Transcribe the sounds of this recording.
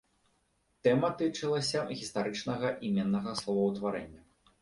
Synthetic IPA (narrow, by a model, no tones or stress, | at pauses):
t̪ɛmɐt̪ɨt͡ʂɨlˠɐsʲɐɣʲist̪aɾɨt͡ʂnɐɣɐʔimʲɛnːɐɣɐslˠɔvɐwt̪vaɾɛnʲːɐ